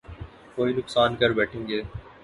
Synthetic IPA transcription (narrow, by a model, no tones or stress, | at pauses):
koːinʊksaːnkɐɾbɛːʈʰẽːŋɡeː